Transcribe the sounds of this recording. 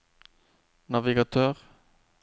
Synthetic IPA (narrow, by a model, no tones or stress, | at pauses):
nɑʋɪɡɑt̪ʰøːʁ